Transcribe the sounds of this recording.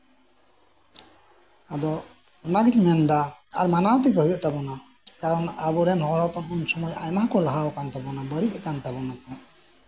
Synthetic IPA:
ad̪ɔ | ɛmaɡitmɛnd̪a̰ːɾmanawt̪ikəɦujɔʔt̪abɔna | kaɾɔnabuɾɛmɦɔɭɔpɔnɔnsɔmɔja̰jmaɦkɔlaɦawkant̪abɔnabəɽiʔkant̪abɔnakɔn

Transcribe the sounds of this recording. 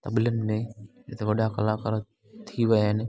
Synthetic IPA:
t̪ɐbɪlənɪ̆mẽd͡ʒɪt̪ʰeʋɐɗakɐlakɐɾə | t̪ʰiʋɐjɦɪnɪ̆

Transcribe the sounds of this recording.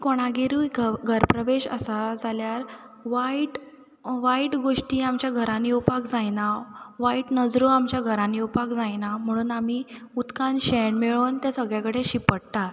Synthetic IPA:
koɽ̃aɡeɾuːjɡɡʱəɾpɾəʋeɕə̰sad͡zaljaɾ | ʋaiʈ | ʋaiʈɡoʂʈiːamt͡ɕjaɡʱəɾãniupakd͡zajnaʋaiʈnəd͡zɾoamt͡ɕjaɡʱəɾãniupakd͡zajnam̤əɽ̃uːnamiː | ut̪kanɕeɳmeɭoːnt̪jasəɡɭjakəɽ̤eɕipəɽt̪a

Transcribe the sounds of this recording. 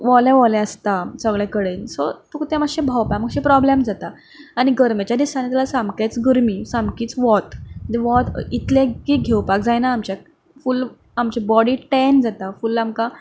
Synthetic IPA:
ʋɔlɛʋɔlɛəst̪asəɡɭɛkəɽensot̪ukt̪ẽməɕẽbʱawpaməɡɕẽpɾɔblemd͡zat̪a | aɽ̃iɡəɾmet͡ɕjad̪isanet̪ɛlasãmbkat͡sɡəɾmiːsambkiːt͡sʋɔt̪d͡ʑeʋɔt̪it̪lẽkiɡʱewpak̚d͡zajnaːmt͡ɕa | ful | amt͡ɕebɔɽiːʈɛnd͡zat̪afulamka

